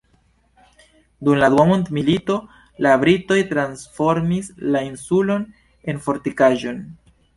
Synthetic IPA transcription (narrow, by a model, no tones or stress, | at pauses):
dumlad̪uamontmilito̞ | labɾito̞jtɾansfo̞ɾmislainsulo̞n | e̞nfo̞ɾtikaʒo̞n